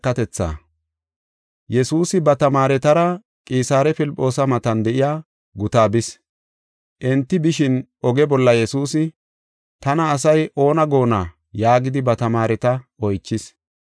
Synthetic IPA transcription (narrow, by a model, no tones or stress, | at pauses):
kːɐt̪ɛt͡sːa̰ː | jɛsuːsɪbɐt̪ɐmaːɾɛt̪ɐɾɐ | kʼiːsaːɾɛpɪlpʼːo̞ːsɐmɐt̪ɐnd̪ɛʔɪjaː | ɡʊt̪aːbɪs | ʔɛnt̪ːɪbɪʃɪnʔɔɡɛbɔlːɐjɛsuːsɪ | t̪ɐnɐːs̬ɐjʔo̞ːnɐɡo̞ːna | jaːɡɪd̪ɪbɐt̪ɐmaːɾɛt̪ɐɔjt͡ʃːɪs